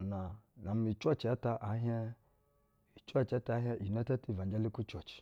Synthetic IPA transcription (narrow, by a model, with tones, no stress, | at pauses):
na˨na˨m˦i˨t͡ʃʷa˦t͡ʃa˦ta˨ʔa˨˦ɦɛ˦ | i˨t͡ʃa˦t͡ʃa˨˦ta˦˨˦ɦʲɛ˦ʔi˨n˦a˦ta˦ti˦˨va˨nd͡ʒa˦li˦ku˦t͡ʃo˨t͡ʃi̥˨